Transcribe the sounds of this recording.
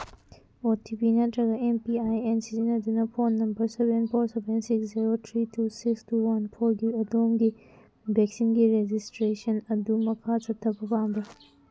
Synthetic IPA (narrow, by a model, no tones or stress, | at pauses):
otʰipinɐtɾɐɡaempiajensitinɐdunɐpʰonːɐmbɐɾsebenpʰoɾsebensiksziɾot̪ʰɾitʰusikstuwɐnpʰoɾɡiɐdomɡi | bʱeksinɡiɾed͡ʒistɾesɐnɐdumɐkʰat͡ʃɐtʰːɐpɐpaŋbɐ